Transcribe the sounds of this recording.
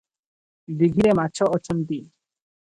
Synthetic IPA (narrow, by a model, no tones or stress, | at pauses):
d̪iɡʱiɾemat͡ɕʰoʔɔt͡ɕʰɔnt̪i